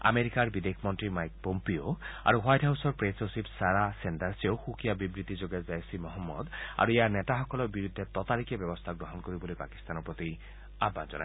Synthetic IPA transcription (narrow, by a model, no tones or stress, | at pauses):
a̰meɾikaɾbid̪ekʰmɔntɾimajk̚pompioa̰ɾuwajʈɦawsɔɾpɾesosipsaɾasendaɾsiowxukʰijabibɾit̪id͡ʒoɡezajsimɔɦɔmːɔ̰d̪a̰ɾuejanɛtaɦɔkɔlɔbiɾud̪ʱːet̪ɔt̪aɾikebjɔbɔst̪ʰaɡɾɔɦɔnkoɾibolipa̰ki̥st̪anɔpɾɔt̪i | abːand͡ʒɔ̰na̰